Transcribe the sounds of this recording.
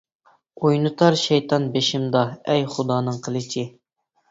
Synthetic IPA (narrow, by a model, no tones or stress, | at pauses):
ojnɨt̪ʰɑɾʃɛjt̪ʰɑnbeʃɪmd̪ɑɛjχʊd̪ɑːnɨŋqʰəlˠɪt͡ʃʰi